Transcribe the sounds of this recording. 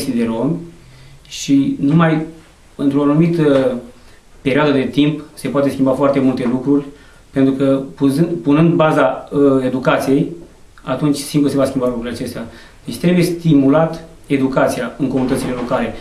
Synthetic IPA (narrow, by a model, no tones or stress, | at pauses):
st̪id̪e̞ɾo̞mʲ | ʃinumaj | ɨnt̪ɾoanumit̪ə | pe̞ɾioad̪əd̪e̞t̪impse̞poat̪eskʲimbafoart̪e̞mult̪e̞lukɾurʲ | pent̪ɾukəpuzɨpunɨnd̪bazae̞d̪ukat̪sije̞j | a̰t̪unt͡ʃʲsimplusevaskʲimbalukɾuɾʲlʲat͡ʃe̞st̪ea | d̪̥et͡ʃt̪ɾebuje̞st̪imulat̪ | e̞d̪ukat̪sijaɨŋko̞munit̪ət̪sile̞lo̞kale̞